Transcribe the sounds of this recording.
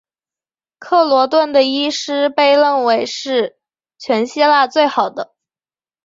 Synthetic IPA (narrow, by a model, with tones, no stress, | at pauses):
kʰɤ˥˩lwɔ˧˥t̪wə˥˩nd̪ə˩i˥ʂɻ̩˥pe˥˧ɪlə˥˩nwe˧˥ɪʂɻ̩˥˩ | t͡ɕʰɥɛ˧˥nɕi˥la˥˧t͡swe˥˩ɪxɑ˨˩ʊd̪ə˦